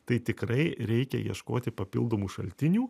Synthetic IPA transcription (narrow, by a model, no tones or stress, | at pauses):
t̪ɐɪt̪ʲɪkɾɐɪɾʲɛɪkʲɛ̰jḭɛʃko̰ːt̪ʲɪpɐpʲɪ̰lˠd̪oːmuːʃɐ̰lʲt̪ʲɪnʲuː